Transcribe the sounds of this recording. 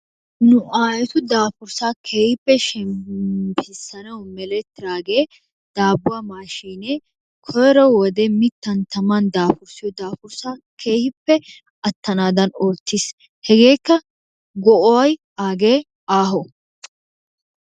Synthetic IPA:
nʊʔaːjɛt̪ʊd̪aːfʊɾsaːkʰeːhɪpːɛʃɛmpʰɪsɐnɐwmɛlɛt̪ːɪɾaːɡe̞ː | d̪̥aːbʊwamaːʃiːne | kʰɔjɾɔwwɔd̪ɛmɪt̪ːɐnt̪ɐmɐnd̪aːfʊɾsɪjɔd̪aːfʊɾsakʰe̞ːhɪpːɛ | ʔɐt̪ːɐnaːd̪ɐnoːt̪ːɪs | hɛɡe̞ːkːɐ | ɡɔʔɔwɐj | aːɡeː | aːɦɔ

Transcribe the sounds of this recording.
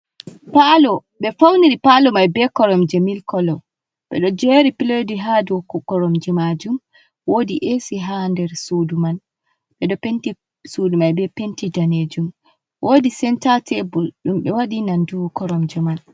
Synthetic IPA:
palɔ | ɓɛfawniɾipalɔmajbɛkɔɾɔmd͡ʒɛmilkɔlɔ | ɓɛ̰ɗɔd͡ʒɛɾipilodiɦaduwkɔkɔɾɔmd͡ʒɛmad͡ʒum | wodiʔesiɦandɛɾsuduman | ɓɛɗɔpenti | sudumajbɛpentidaned͡ʒum | wʔoːdisɛntatɛbulɗumɓɛwaɗinanduwkɔɾɔmd͡ʒɛman

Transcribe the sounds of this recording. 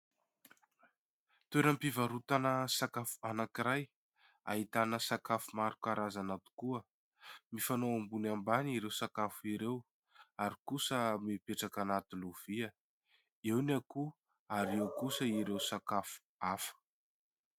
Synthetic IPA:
t̪ueɾəmpivaɾut̪anəsakafu̥anakiɾaj | a̰ɦit̪anəsakafumaɾukaɾazanat̪u̥kuə | mifanoambunambaniɾewsakafuiɾew | aɾikusəmipeʈ͡ʂakanat̪uluv̥iə | ewnaku | aɾiewkusəiɾewsakafu̥ | afə̥

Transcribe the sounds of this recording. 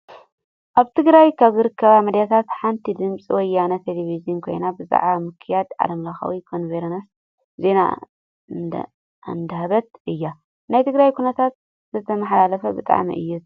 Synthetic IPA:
ʔaβt̪ʰɨɡɾajkʰaβzɨɾɨkʰːɐβamɐd̪jat̪ʰat̪ħant̪ʰid̪ɨmt͡sʼiwɔjːanɐt̪ʰelevizijunkʰo̞̰jnabɨza̰ʕβamɨkʰɨjad̪ʕa̰d̪ɐmlɐxa̰wikʰonveɾɐnɐs | ze̞na̰ | ɨnd̪ɐhaβɐt̪̚ʔɨjːa | najt̪ʰɨɡɾajkʰunɐt̪ʰat̪̚ | zɨt̪ʰɐmɐħalalɐfɐbɨt̪ʼa̰ʕmḭʔɨ̰jːu

